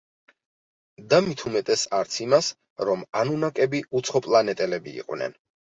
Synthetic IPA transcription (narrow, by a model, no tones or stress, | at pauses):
d̪amit̪ʰumɛt̪ʼɛsaɾt̪sʰimas | ɾɔmanunakʼɛbiut̪sʰχɔpʼlˠanɛt̪ʼɛlɛbḭːqʼwnɛ̰n